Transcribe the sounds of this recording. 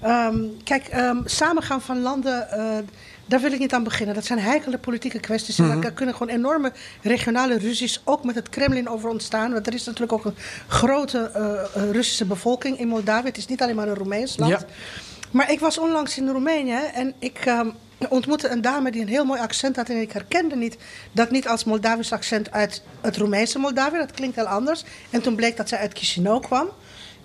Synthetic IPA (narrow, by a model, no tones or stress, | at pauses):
əkɛjkəsaːmənχaːŋfɑnlɑndə | daːɹʋɪlˠɪk̚nitaːnbəχɪnəndɑtsɛjnɦɛjkələk̚politikəkʋɛstisɛndakʏnənχʋoːnenɔrməreχjonaːlərysisowkmɛtɦətkrɛmlɪnoːwvərɔntstaːnʋɑntdərɪsnatyːrləkokənχroːwtə | rʏsi̥səbəvɔlˠkɪŋɪnmɔlˠdaːviətɪsnitɑleːnmaːrənrumɛjnslɑnt | maːɹɪkʋɑsɔnlɑŋsɪnrumeːnjəɛnɪk | ɔntmutəəndaːmədiənɦɪːlˠmoːjɑksɛnthɑtɛnɪkɦɛrkɛndənitdɑtnitɑlˠsmɔlˠdaːvisɑksɛntʰœɥt | ətrumɛjnsəmɔlˠdaːvjədɑtklɪŋk̚tɪlˠɑndəɹsɛntunblek̚dɑtsɛjœtkʰiʃinowkʰʋɑm